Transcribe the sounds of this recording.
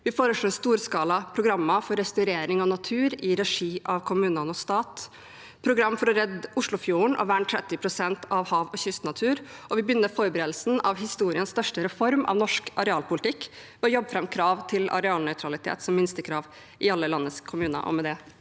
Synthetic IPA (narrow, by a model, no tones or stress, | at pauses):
ʋɪfoːɾəʂɭɔːɛst̪uːɾskɑːlɑpʰɾʊɡɾɑmːɑfɔɾɛst̪ʉɾeːɾɪŋɔnɑt̪ʰʉːɾɪɾɛʂiːʔɑʋkʰʊmʉːnɑnɔst̪ɑːt̪ | pʰɾʊɡɾɑmːfɔɾɔɾɛd̪ːʊʂɭʊfjuːəɳʔɔ̰ʋæɳt̪ʰɾɛt̪ːɪpʰɾʊsɛnt̪ɑʋhɑːʋɔçʏst̪nɑt̪ʰʉːɾʔɔʋɪbjʏnːəfɔːɾəbəɾeːd̪l̩sn̩ɑʋhɪst̪uːɾɪənst̪œʂʈəɾɛfɔɾmʔɑ̰ʋnɔʂkɑɾɛɑːlpʰʊlɪt̪ɪkːʋɛɔjɔbːfɾɛmkʰɾɑːʋt̪ʰɪlɑ̰ɾɛɑːlnœʏt̪ʰɾɑlɪt̪ʰḛːt̪sɔmːɪnst̪əkʰɾɑːʋ | ʔɪɑlːəlɑnːəskʰʊmʉːnə̰ʔɔ̰mɛd̪ɛ